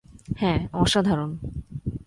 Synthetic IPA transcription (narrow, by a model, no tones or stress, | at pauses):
hɛ̃ɔʃad̪ʱaɾon